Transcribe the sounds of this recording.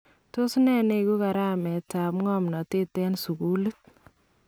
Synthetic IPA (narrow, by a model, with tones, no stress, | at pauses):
to˦snɛ˦ne˨ku˦ka˨ɾa˦mɛ˨ta˨pŋɔ˦mnɔ˨te˦tɛ˦nsu˨ku˦lɨ˦t̚